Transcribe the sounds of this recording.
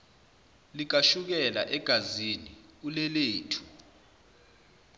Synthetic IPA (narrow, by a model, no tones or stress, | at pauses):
lik̬aʃuk̬ɛla̰ʔɛɡ̥ʱaziniulɛleːtʰu̥